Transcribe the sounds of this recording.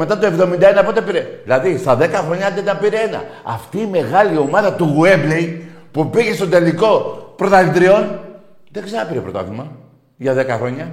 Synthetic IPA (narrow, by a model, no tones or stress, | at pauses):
me̞t̪ɐt̪oe̞vðo̞mind̪ɐenɐpo̞t̪epiɾeðilɐðist̪ɐðe̞kɐxɾo̞ɲɐd̪enɐpiɾeenɐ̰ɐ̰ft̪iːme̞ɣɐlio̞mɐðɐt̪uɣue̞ble̞j | pupiʝe̞st̪od̪e̞liko̞pɾo̞t̪ɐlit̪ɾio̞n | ðeɡzeɾnɐpiɾepɾo̞t̪ɐ̰θimɐ | ʝɐðe̞kɐxɾo̞ɲɐ